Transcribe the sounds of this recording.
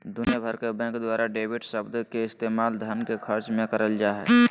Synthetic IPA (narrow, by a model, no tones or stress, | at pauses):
d̪ʊnjəbʱəɾkebɛ̃ːkd̪waːɾaɖeːʋɪɖsəbd̪keɪst̪eːmaːld̪ʱənkekʰəɾt͡ʃmẽkɐɾəld͡ʒaːɦɛ̰